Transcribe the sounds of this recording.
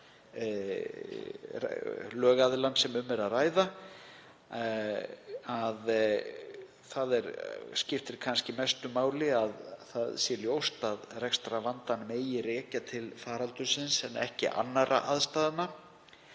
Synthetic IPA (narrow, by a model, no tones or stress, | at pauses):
lœːɣaðɪlansɛmʏmɛɾaðraːjða | að | θaðɛɾscɪft̪ɪɾkʰanscɪmɛst̪ʏmaːwlɪaðθaðsjɛljowst̪aðrɛkst̪ɾavant̪anmeːjɪɾeːcat̪ʰɪlfaːɾalt̪ʏsɪnsɛnɛ̰hcɪ̰ʔa̰nːaɾʔa̰ʔaðst̪aːðɪna